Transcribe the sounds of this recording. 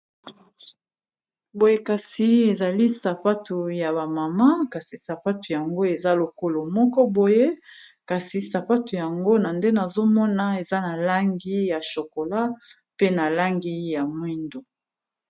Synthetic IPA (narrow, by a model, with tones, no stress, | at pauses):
bo˨je˦ka˨si˨e˨za˨li˦sa˨pa˦tu˨ja˨ba˨ma˨ma˦ka˨si˨sa˨fa˦tu˨ja˨ŋɡo˦e˨za˦lo˨ko˦lo˨mɔ˦kɔ˦bo˨je˦ | ka˨si˨sa˨fa˦tu˨ja˨ŋɡo˦na˨nde˦na˨zo˦mɔ˦na˦e˨za˦na˨la˦ŋɡi˦ja˨ʃo˨ko˨la˦ | pe˦na˨la˦ŋɡi˦ja˨mwi˦ndo˨